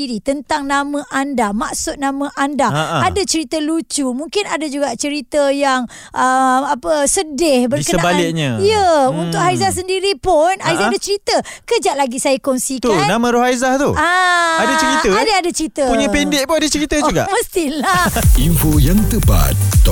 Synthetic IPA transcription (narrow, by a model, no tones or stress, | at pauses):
iɾit̪ənt̪aŋnãmãʔandamaʔsʊt̪̚nãmãʔandaaadat͡ʃəɾit̪əlut͡ʃumuŋkɪnadad͡ʒuɡaʔt͡ʃəɾit̪əjaŋ | ʔəmapəsədɪhbərikəənabalɪk̚ɲəijəunt̪ʊkhaizahs̬əndiɾipʊnajzaadat͡ʃəɾit̪ə | kəd͡ʒaʔlaɡisajakɔnsikt̪uanãmãɾoɦajzaht̪uaadat͡ʃəɾit̪əadaadat͡ʃəɾit̪əpuɲə̃pɛndɪʔpodət͡ʃəɾit̪əd͡ʒuɡa̰ʔməst̪ilaʔimfojaŋt̪əpa̰t̪ːɔ